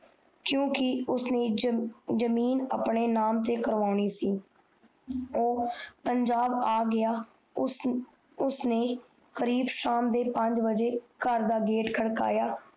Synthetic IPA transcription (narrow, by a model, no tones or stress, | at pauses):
kjõːkɪʊsneːd͡ʒəmiːnə̰pɳeːnaːmt̪eːkəɾʋaːɳ̃iːsiː | oːpəɲd͡ʒaːbaːɡɪjaː | ʊsneː | kəɾiːbʃaːmd̪eːpəɲd͡ʒbəd͡ʒeːkəɾd̪aːɡeːʈkʰəɽka̰ːjaː